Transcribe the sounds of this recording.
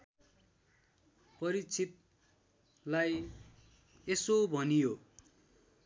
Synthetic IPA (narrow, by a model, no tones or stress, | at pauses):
pʌɾit͡sʰit̪̚ | laj | esobʱʌnijo